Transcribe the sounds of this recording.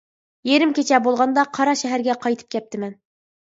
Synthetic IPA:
jeɾɪmkʲet͡ʃʰɛbolˠʁɑnd̪ɑqʰɑɾɑʃɛɦæɾɡʲɛqʰɑjt̪ʰɨ̥p̚kʲʰɛp̚t̪ʰɪmɛn

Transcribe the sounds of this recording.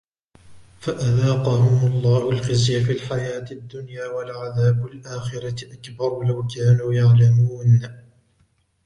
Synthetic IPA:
faʔaðaːqɑːmʊmlˤːɑːhʊlxɪzjafiːlħajaːt̪ɪd̪ːʊnjaːwalʕaðaːbalʔaːxɪɾatʔakbɑɾˤlawkaːnuːjaʕlamuːn

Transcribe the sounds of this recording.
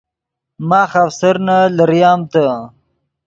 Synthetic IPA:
maːxafsɐɾnalɐɾjɑːmt̪a

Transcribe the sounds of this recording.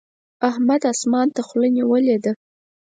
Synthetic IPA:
ahmad̪asmɑnt̪axləniwəled̪ə

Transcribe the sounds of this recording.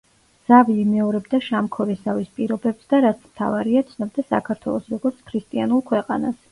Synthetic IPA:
z̥aviːmɛɔɾɛbd̪aʃamkʰɔɾisavispʼiɾɔbɛpsd̪aɾat̪sʰmt̪ʰa̰vaɾiat̪sʰnɔb̚d̪asa̰kʰaɾt̪ʰwɛ̰lˠɔsɾɔɡɔɾt̪sʰkʰɾist̪ʼianulˠkʰwɛqʼanas

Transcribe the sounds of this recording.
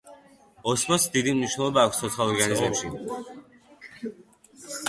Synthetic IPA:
ɔsmɔsd̪id̪imniʃnɛlˠɔbaːkʷʰst̪ʰɔt̪sʰalˠɔɾɡanizɛmʃi

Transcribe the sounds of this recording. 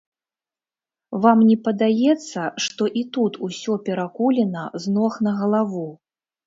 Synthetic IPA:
vamnʲɛpɐd̪ajɛt̪sːɐʂt̪ɔʔit̪ut̪ʰusʲɔpʲɛɾakulʲɛnɐznɔxnɐɣɐlˠavu

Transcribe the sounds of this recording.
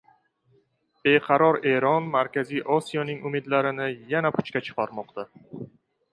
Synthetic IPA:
b̥e̞qʰɑɾɒɾe̞ɾɒnmaɾkʲazijʔɒsijɒnɪŋʊmɪd̪laɾɪnɪjanapʰʊ̥t͡ʃkʲat͡ʃʰɨ̥qʰɒɾmɒqt̪a

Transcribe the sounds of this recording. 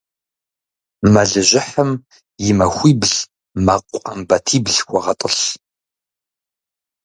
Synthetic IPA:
mɐɮɨʑʷɪħəm | jɪmɐxʷiːbɮ | mɐqʷʼʊqɐmbɐtʰiːbɮxʷɔʁɐtʼəɬ

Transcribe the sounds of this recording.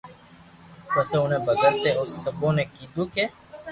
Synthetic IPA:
pəseːʊnẽːbəɡəɾt̪eːʊsːəbõːneːkiːd̪uːkeː

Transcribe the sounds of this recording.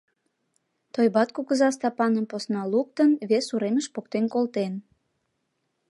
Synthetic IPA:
t̪ojbɑt̪̚kuɣəzɑst̪ɑpɑnəmposnɑluk̚t̪ənβesuɾeməʃpokt̪enkolt̪en

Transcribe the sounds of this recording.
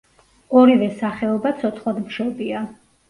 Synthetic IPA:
ɔɾivɛsaχɛɔbat̪sʰɔt̪sʰχlad̪mʃɔbia

